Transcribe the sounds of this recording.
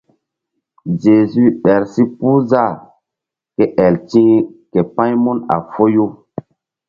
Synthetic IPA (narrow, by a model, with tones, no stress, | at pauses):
ʒe˨zy˦ɓɛ˨ɾsi˦puː˦za˦˨ | ke˦ʔɛ˨ltĩ˦ke˨pã˦jmu˦na̰˨fo˦jo˦